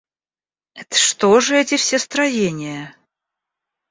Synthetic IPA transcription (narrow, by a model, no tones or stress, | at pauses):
ɛt̪ə̥ʂt̪oʐɨɛtʲɪfsʲest̪ɾɐjenʲɪjə